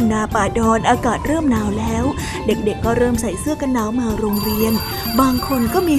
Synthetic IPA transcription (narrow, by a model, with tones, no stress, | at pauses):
naː˧paː˨˩jdɔː˧nʔaː˧kaː˨˩t̪̚ɾɤː˥˩mnaː˧wlɛː˦˥w | de˨˩k̚de˨˩kːɔː˥˩ɾɤː˥˩msa˨˦jsɯ˦˥əka˧nːaː˨˦wmaː˧ɾoː˧ŋɾi˧ən | baː˧ŋkʰo˧nkɔː˥˩miː˧